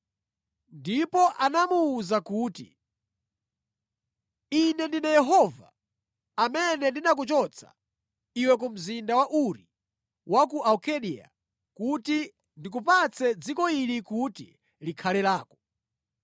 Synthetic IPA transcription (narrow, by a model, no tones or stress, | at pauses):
ndipɔʔanamuːzakuːtḭ | inɛndinajɛɦɔva̰ː | mɛnɛndinak̬ut͡ʃɔt͡sʰa̰ | iwɛk̬um̩zindawaʔuɾi | wʔak̬uʔaukʰɛɗia̰ | kuti | ndik̬upat͡sʰɛd͡zikɔilikutḭ | likʰalɛlaːkɔ̥